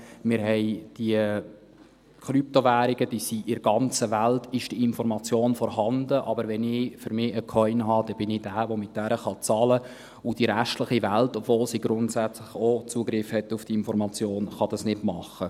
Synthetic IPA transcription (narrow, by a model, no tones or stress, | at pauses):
mɪːɾɦɛɪd̥iə | kʰɾyp̚toʋæːɾiɡ̥əd̥isiʔɪɾɡɑnt͡səʋæltɪʃd̥iɪnfɔɾmɑt͡sjoːnfɔɾhɑndəʔɑbəɾʋɛnɪfyɾmɪːəkʰɔʏnɦɑd̥ɛb̥ɪnɪd̥æːʋomɪt̚d̥æɾəχɑt͡sɑlə | ʊd̥iɾæʃtləχiʋæltofʋoːlsiɡɾʊntsæt͡sləχot͡suəɡɾɪfhɛtːufd̥iɪnfɔɾmɑt͡sjoːnχɑd̥ɑsnɪdmɑχːə